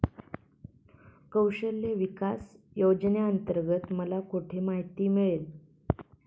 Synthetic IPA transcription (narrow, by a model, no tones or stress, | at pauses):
kəwɕəlːeʋikasjowd͡ʑnjaənt̪əɾɡət̪məlakuʈʰemaɦit̪iːmiɭel